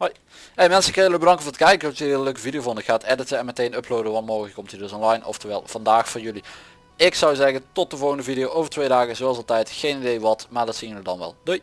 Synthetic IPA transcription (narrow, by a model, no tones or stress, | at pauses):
hoj | emɛnsəɪkɪnjələɡbədɑŋkəvtə̥kɛjkəɔsløɥkəvidijowvɔndəxaːtɛdətəɛnmɛtejnøpʰlowdəʋɑntmoːɣələkːɔmtiːdɵsɔnlɑjnɔ̰ftəʋɛ̰lˠv̥ɑndaːxfoːɹjɵli | ɪksɑwzɛɣəntɔt̚dəvɔlˠɣəndəvidijowʔoːvəɹtʋejdaːɣəzoɑlˠsɑlˠtɛjtxejnidejʋɑtmaːɹdɑtsiːənədɑnʋɛ̰lˠdøj